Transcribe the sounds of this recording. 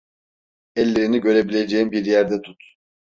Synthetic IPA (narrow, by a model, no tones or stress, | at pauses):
ɛlʲːe̞ɾiniɟø̞ɾebilʲe̞d͡ʒejimbiɾjæɾd̪ɛt̪ʰu̥t̪